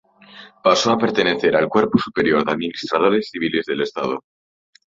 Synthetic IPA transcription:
paso̞ape̞ɾt̪e̞ne̞θe̞ɾalkwe̞ɾposupe̞ɾjo̞ɾðaðminist̪ɾað̞o̞ɾe̞sθiβile̞zðe̞le̞st̪a̰ð̞o̰

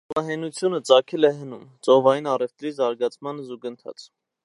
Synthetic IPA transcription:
vɑɦɛnut͡sʰjunət͡sɑkʰɛlɛɦənumt͡sʼɔvɑjinɑrɛft̪ɾizɑɾɡɑt͡sʰmɑnzuɡənt̪ʰɑ̰t͡sʰ

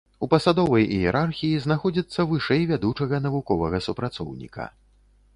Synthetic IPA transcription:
upɐsad̪ɔvɐjjɛɾʔarxʲijizn̪axɔd͡zʲit̪sːɐvɨʂɛjvʲad̪ut͡ʂɐɣɐn̪ɐvukɔvɐɣɐsupɾat̪sɔ̰wnʲḭkʰɐ̰

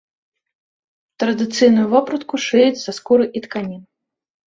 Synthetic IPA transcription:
t̪ɾɐd̪ɨt̪sɨjnujuvɔpɾɐt̪kuʂɨit͡sʲz̥askuɾɨʔit̪kanʲin

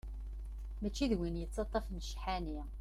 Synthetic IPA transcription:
mæt͡ʃːiðwinjət͡sːɑt̪ˤːɑfnʃħani

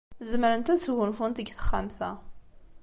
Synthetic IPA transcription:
zəməɾənt̪æt͡sːʝʊnfunt̪əɡθə̥χːa̰mθæ

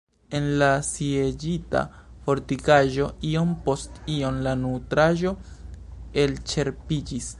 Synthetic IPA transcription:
e̞nlasied͡ʒita̰ | fo̞ɾtikaʒo̞io̞mpo̞stio̞nlanutɾaʒo̞ | e̞lt͡ʃe̞ɾpid͡ʒis

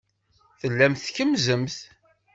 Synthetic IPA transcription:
θəlːæmθçəmzəmθ

